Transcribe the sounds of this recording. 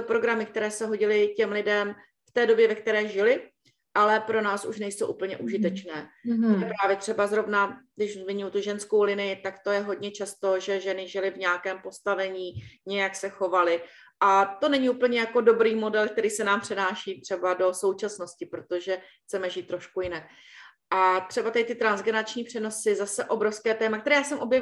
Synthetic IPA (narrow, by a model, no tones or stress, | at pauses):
opɾo̞ɡɾamɪk̚t̪ɛɾɛːsɛɦo̞ɟɪlɪcɛmlɪdɛm | ft̪ɛːdo̞bjɛvɛkt̪ɛɾɛːʒɪlɪ | ʔalɛpɾo̞naːsʔuʃnɛjso̞wʔṵpl̩ɲɛʔuʒɪt̪ɛt͡ʃnɛːt̪ojɛpɾaːvjɛt̪r̝̥ɛbazɾo̞vna | dɪʃzmɪɲujut̪uʒɛnsko̞wlɪnɪjɪt̪akt̪o̞jɛɦo̞dɲɛt͡ʃast̪o̞ʒɛʒɛnɪʒɪlɪvɲaːkɛːmpo̞st̪avɛɲiːɲɛjaksɛxo̞valɪ | ʔat̪o̞nɛɲɪupl̩ɲɛjako̞do̞bɾiːmo̞dɛlk̚t̪ɛɾiːsɛnaːmpr̥ɛnaːʃiːt̪r̝̥ɛbado̞so̞wt͡ʃasno̞scɪpɾo̞t̪o̞ʒɛxt͡sɛmɛʒiːt̪ːɾo̞ʃkujɪnak̚ | ʔat̪r̝̥ɛbat̪ɛt̪ɪt̪ɾanzɡɛnat͡ʃɲiːpr̝̥ɛno̞sɪzasɛʔo̞bɾo̞fskɛːt̪ɛːmakt̪ɛɾɛːjaːsɛmʔo̞bjɛv